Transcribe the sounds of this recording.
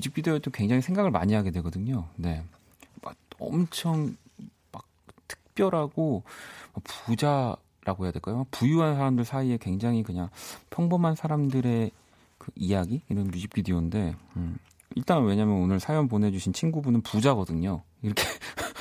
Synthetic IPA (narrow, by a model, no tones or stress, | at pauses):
jud͡ʑʰip̚k͈idet͡ɕ͈omkwe̞ŋd͡ʑaŋɦisʰe̞ŋɡaɡɯɭma̰ɲiɦaɡe̞dwe̞ɡʌdɯɲone̞ | ma̰ʌ̰mt͡ɕʰʌŋ | mak̚tʰɯ̥k̚p͈jʌɾɦaɡomakpud͡ʑa | ɾaɡoɦe̞jadeɭk͈ajoak̚pujuɦansʰaɾamdɯɭsʰaie̞kwe̞ŋd͡ʑaŋɦikɯɲaŋpʰjʌŋbʌmɦansʰaɾamdɯɾe̞ | kɯijaɡiiɾʌnmud͡ʑʰip̚k͈idionde̞ | iɭt͈aŋwe̞ɲamjʌnonɯɭsʰajʌnpone̞d͡ʑuɕʰint͡ɕʰinɡubunɯnpud͡ʑaɡʌdɯɲo | iɾʌkʰe